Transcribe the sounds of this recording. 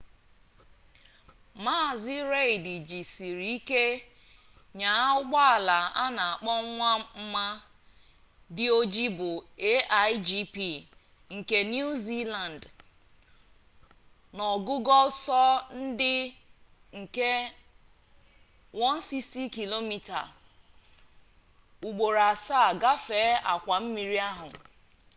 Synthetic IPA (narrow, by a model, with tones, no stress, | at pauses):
ma˦˨zɪ˦ɾe˦i˨di˨d͡ʒi˨si˨ɾi˨i˦ke˦ | ɲa˨˦ʊ˦ɡ͡ba˦a˨la˨a˦na˨a˨k͡pɔ˦ŋʷa˦m̩˦ma˦ | dɪ˦o˦d͡ʒi˦bʊ˨e˦ʔa˦jd͡ʒi˦pi˦˨ | ŋ̩˨ke˨nju˦zi˦la˨n˨d | nɔ˨ɡu˦ɡɔ˦lsɔ˦n̩˦dɪ˦ | ŋ̩˨ke˦ | wɔ˦n̩˦si˦sti˦ki˨lo˦mi˦ta̰˨ | u˨ɡ͡bo˨ɾa˨sa˦˨ɡa˦feː˨˦a˨kʷa˨m̩˦mi˨ɾi˦a˦ɦʊ˨